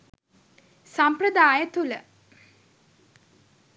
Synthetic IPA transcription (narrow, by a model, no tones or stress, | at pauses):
samprəd̪aːjət̪ulə